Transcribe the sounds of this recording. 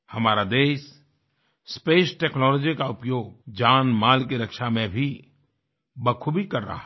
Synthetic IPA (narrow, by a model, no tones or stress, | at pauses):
hɐmaːɾad̪eːʃ | speːsʈeːknɔːlɔːd͡ʒikaʊpjoːɡ̚d͡ʒaːnmaːlk̬iɾɐkʃamẽbʱi | bɐkʰubʱikɐɾːa̰ɦa